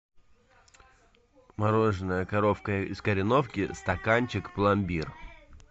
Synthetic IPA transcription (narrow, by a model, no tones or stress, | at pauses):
mɐɾo̞ʐɨnəjəkɐɾo̞fkəɪskəɾʲɪno̞fkʲɪst̪ɐkanʲt͡ɕɪkplˠɐmʲbʲir